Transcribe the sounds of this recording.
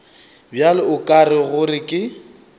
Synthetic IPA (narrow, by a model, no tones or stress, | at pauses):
bjalɪʊkʼarɪɣʊrɪkʼɪ